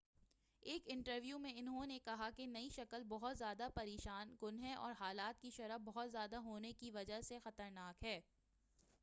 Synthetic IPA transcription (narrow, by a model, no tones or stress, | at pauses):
eːkɪ̃ɳʈəɾʋjumẽɪnɦõnekɐɦakenɐiʃɐkəlbɔɦʊt̪zjaːd̪apɐɾeːʃaːnkʊnɦẽʔɔ̰ːɾɦaːlaːt̪̚kiʃɐɾəbɔɦʊt̪zjaːd̪aɦoːnekiʋɐd͡ʒəɦsexɐt̪əɾnaːkɦɛː